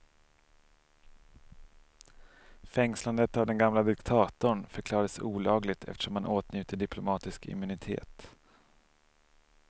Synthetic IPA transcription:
fɛŋsland̪ət̪avd̪ɛnɡamlad̪ɪkt̪ʰɑːt̪ʊɳfœɾkʰlɑːɾad̪əsuːlɑːɡlɪɡ̚t̪ʰɛ̰ft̪ə̥ʂɔmhanʔoːt̪njʉ̟ːt̪əɖɪpʰlʊmɑːt̪ɪskɪ̰mʉnɪt̪ʰḛːt̪

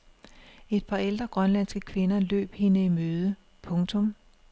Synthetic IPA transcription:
e̝d̥̚pʰɑ̈eld̥ʁɐɡ̥ʁɶnlænsɡ̥əkʰʋe̝nɐlø̰ːb̥he̝nəimøːð̞ˠə | pʰɔ̽ŋt͡sʰɔ̽m

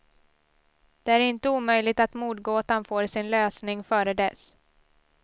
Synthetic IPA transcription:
d̪̥ɛæɾɪnt̪əuːmœjlɪɡ̚t̪at̪muːt̪̚ɡoːt̪anfoːɾsɪnløːsnɪŋfœːɾəd̪ɛs

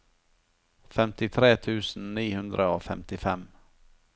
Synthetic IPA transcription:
fɛmt̪ɪt̪ʰɾeːt̪ʰʉ̟ːsn̩ːiːhɵnd̪ɾʔəoːfɛmt̪ɪfɛm

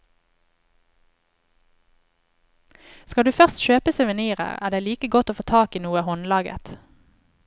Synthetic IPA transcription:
skɑd̪ʉːfœʁst̪ʃøːpəsʉʋəniːʁə̰ʁæ̰ːʁd̪æɪliːkəɡɔt̪oːfoːt̪ʰɑːkiːnuːəhɔnlɑːɡə̰t̪

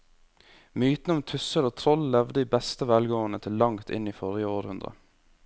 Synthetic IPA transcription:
myːt̪n̩əʊmt̪ʰʉsəloːt̪ʰɾɔllɛʋd̪əd̪iːbɛst̪əʋɛlɡoːnət̪ʰɪlːɑŋt̪ʰɪ̰niːfɔɾjəoːɾhʉnd̪ɾə̰

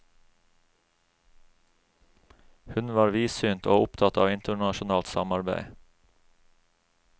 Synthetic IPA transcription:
hʉnʋɑːɾʋiːsyːnt̪ʰo̰ːʊpt̪ʰɑt̪ɑːʋɪnt̪əɳɑʃʊnɑːlt̪sɑ̰mɑɾbæ̰ɪ

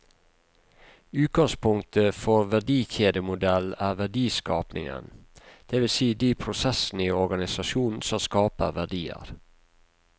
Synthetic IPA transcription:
ʉːt̪̚ɡɑŋspʰʊŋt̪ʰəfɔɾʋæɖiːçeːd̪əmʊd̪ɛlæːɾʋæɖiːskɑːpnɪ̰ŋə̰nd̪̥ɛːʋɪlsiːd̪iːpʰɾʊsɛsn̩iːɔɾɡɑnɪsɑʃuːnn̩sɔmskɑːpə̰ɾʋæɖiːə̰ɾ

